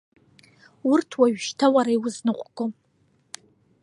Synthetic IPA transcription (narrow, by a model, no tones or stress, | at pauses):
urtʰwaɥʃtʰawaɾaiwʊznɨqʷʼɡʷʼo